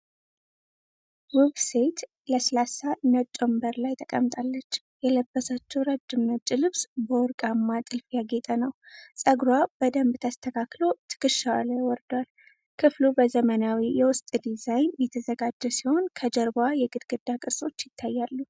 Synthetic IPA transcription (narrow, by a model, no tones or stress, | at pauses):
wubsejt̪ | ləslasanət͡ʃʼombəɾlajt̪ʰəkʼə̰mt̪ʼalːət͡ʃː | jɛləbːəsat͡ʃːɛwɾad͡ʒːɨmnət͡ʃʼːɪlɨβsbəɔɾkʼamːat̪ʼɨlfjaɡet̪ʼənəwsʼəɡɾwab̥əd̪əmbt̪ʰəst̪ʰəkʰaklo̞t̪ʰɨ̥kʼɨʃːawalajwɔɾd̪wal | kʰɨflubəzəmənawijɛwʊst̪ʼd̪izajnjɛt̪ʰəzəɡad͡ʒːɛsiho̞nkʰəd͡ʒəɾbajɛɡɨd̪ɡ̥ɨd̪ːakʼɨɾsʼo̞t͡ʃːjɪt̪ʰːajːalːu